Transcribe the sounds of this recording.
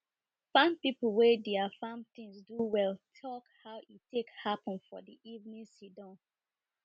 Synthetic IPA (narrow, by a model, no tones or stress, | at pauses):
fãmpipl̩ˠwɛdeafãmt̪ĩŋsduwɛltʰɔkhaʊʔitekhapɔ̃nfɔ̰diʔivnĩnsidɔ̃n